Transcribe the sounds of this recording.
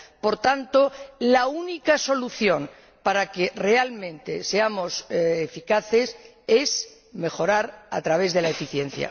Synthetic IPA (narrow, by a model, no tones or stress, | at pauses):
po̞ɾt̪ant̪olaunikaso̞luθjo̞n | paɾake̞re̞almẽ̞nt̪e̞̰se̞amo̞sefikaθe̞s | e̞s | me̞xo̞ɾaɾa̰t̪ɾaβ̞e̞zðe̞lae̞fiθje̞n̟θja̰